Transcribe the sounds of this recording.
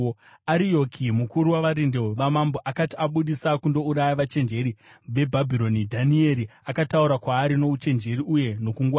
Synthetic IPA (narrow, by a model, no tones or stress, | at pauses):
aɾijo̞kʰimukuɾuwaʋaɾindeoʋamamboʔakatiaɓuɗisakundo̞uɾajaʋat͡ʃe̞nd͡ʒe̞ɾi | ʋe̞bʱabʱiɾo̞nidʱanie̞ɾiakatauɾakwaːɾino̞ut͡ʃe̞nd͡ʒe̞ɾiʔuje̞no̞kuŋɡwaː